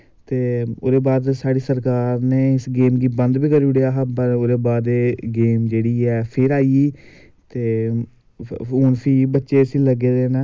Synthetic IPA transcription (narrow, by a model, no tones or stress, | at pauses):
t̪eːo̰ːd̪eːbaːd̪saːɽiːsəɾkaːɾneːɪsɡeːmɡiːbə̃nd̪biːkəɾuɽejaːɦpəɾoːd̪eːbaːd̪eːɡeːmd͡ʒeːɽiːɛːpʰɪɾaːiː | t̪eː | oːɳpʰiːbətːʃeːəsĩːləɡeːd̪eːnãː